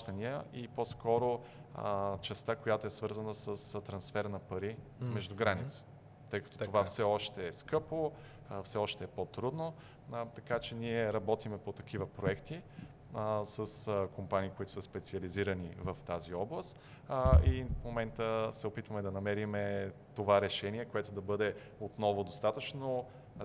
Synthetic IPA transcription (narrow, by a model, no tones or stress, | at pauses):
t̪ənijəʔiposkɔɾo | t͡ʃɛst̪akojat̪oɛsvɤɾzənəsəst̪ɾɐnsfɛɾnɐpɐɾimɛʒd̪ʊɡɾanit̪sə̥ | t̪ɤjkɐt̪ɔ̥ovafsɛɔʃt̪ɛːskɤpo | fsɛɔʃt̪ɛːpot̪ɾud̪no | t̪ɐkat͡ʃɛniɛɾɐbɔt̪imɛpot̪ɐk̟ivəpɾoɛkt̪i | səskompaniːkoit̪ʊ̥səspɛt̪siɐliziɾənivəft̪aziɔblˠəst̪ | ifmomɛnt̪əsɛopit̪vəmɛd̪ɐnɐmɛɾimɛt̪ovaɾɛʃɛniɛkoɛt̪od̪ɐbɤd̪ɛ | ot̪nɔvʊd̪ost̪at̪ət͡ʃno